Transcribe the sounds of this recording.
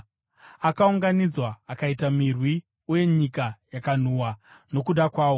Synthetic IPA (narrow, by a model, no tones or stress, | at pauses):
akauŋɡanid͡zwaːkaitamirwi | uje̞ɲikajakan̤uːwano̞kuɗakwaːwo̞